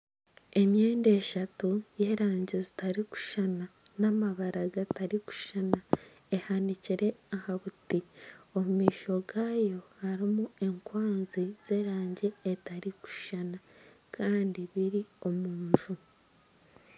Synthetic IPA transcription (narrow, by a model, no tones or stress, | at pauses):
e̞mje̞ːnde̞ːʃatuje̞ːɾaːɲɟezitaɾiku̥ʃananamaβaɾaɡataɾiku̥ʃana | e̞haniciɾe̞ahaβutio̞mumiːʃo̞ɡaːjo̞haɾimue̞ŋkwaːnziz̥e̞ːɾaːɲɟeːtaɾiku̥ʃanakʰaːndiβiɾio̞muːɲʒu